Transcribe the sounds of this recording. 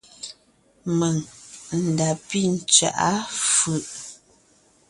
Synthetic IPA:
mə˨ŋn̩˨da˨pi˦˨n̩˨t͡ʃa̰˨ʔa˦fʉ˨ʔ

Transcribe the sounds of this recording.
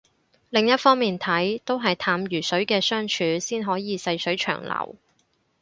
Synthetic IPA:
lɪ˨ŋjɐ˥t̚fɔː˥ŋmiː˨nt̪ʰɐ˨˥jt̪o˥wɦɐ˨jt̪ʰaː˨˥mjyː˨˩sɵ˨˥ɥkɛː˧sœː˥ŋt͡ʃʰyː˨˧siː˥nɦɔː˨˥jiː˨sɐ˧jsɵ˨˥ɥt͡ʃʰœ̰ː˨˩ŋlɐ̰˨˩w

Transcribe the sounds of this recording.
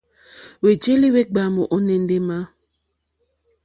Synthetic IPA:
we˨t͡ʃe˦li˦we˦ɡ͡ba˨mo˨ʔo˦ne˦nde˦ma˦

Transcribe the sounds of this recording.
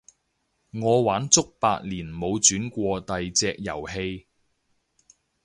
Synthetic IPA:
ŋɔː˨˧waː˨˥nt͡sʊ˥k̚pa̰ː˧k̚liː˨˩nmo˨˧wt͡ʃyː˨˥nkʷɔː˧t̪ɐ˨jt͡sɛː˧k̚jɐ˨˩wɦe˧j

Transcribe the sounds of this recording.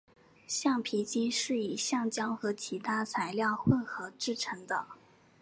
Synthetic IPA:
ɕjɑ˥˩ŋpʰi˧˥t͡ɕi˥nʂɻ̩˥˩i˨˩ɕjɑ˥˩ŋt͡ɕjɑ˥ŋxɤ˧˥t͡ɕʰi˧˥t̪ʰa˥t͡sʰa˧˥ɪljɑ˥˧ʊxwə˥˧nxɤ˧˥ʈ͡ʂɻ̩˥˩ʈ͡ʂʰɤ˧˥ŋd̪ə˧

